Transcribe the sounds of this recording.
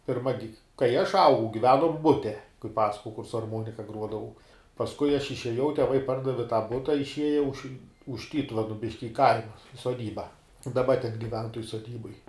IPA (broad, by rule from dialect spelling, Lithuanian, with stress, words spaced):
pʲɪrˈmɐ ɡʲɪ kɐɪ ɐʃ ˈɐʊɡɐʊ ɡʲɪˈʋʲæːnoːm ˈbʊtʲɛ kɐɪ ˈpɑːsɐkoːjɛʊ kʊr sʊ ɐrˈmuɔnʲɪkɐ ˈɡruɔdɐʋɐʊ pɐsˈkʊɪ ɐʃ ɪʃʲeːˈjɛʊ tʲɛˈʋɐɪ ˈpɐrdɐʋʲɪ tɑː bʊtɐ ɪʃʲˈiɛjɛ ʊʃ ʊʃ ˈtʲiːtʊʋʲɛnʊ ˈbʲɪʃʲkʲɪ ɪ ˈkɐɪmɐ soːˈdʲiːbɐ dɐˈbɐ tʲɛn ɡʲɪˈʋʲɛn toːj soːˈdʲiːboːj